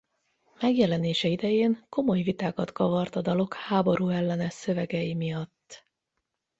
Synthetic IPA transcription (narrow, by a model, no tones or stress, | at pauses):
mɛɡjɛlɛneːʃɛid̪ɛjeːŋko̞mo̞jvit̪aːkɒt̪kɒvɒrt̪ɒd̪ɒlo̞khaːbo̞ɾuːɛlːɛnɛʃsø̞vɛɡɛjimijɒt̪ː